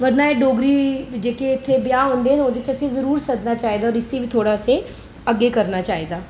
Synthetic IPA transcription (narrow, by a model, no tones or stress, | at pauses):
ʋɐɾnaeɖoːɡɾid͡ʒeːkeɪt̪ʰːebjaɦõːnd̪eɛ̃õːnd̪et͡ʃɛsezɐɾuːɾsɐd̪nat͡ʃaːɦid̪aɔːɾɪsebʱit̪ʰoːɽase | ɐɡekɐɾnat͡ʃaːɦid̪aː